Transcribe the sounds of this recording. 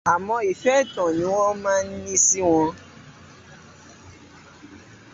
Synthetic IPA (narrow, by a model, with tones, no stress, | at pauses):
a˨mɔ̃˧i˨fɛ˦˨tɔ̃˨nĩ˨˦w̃ɔ̃˦mãː˦n̩˦nĩ˦si˦w̃ɔ̃˧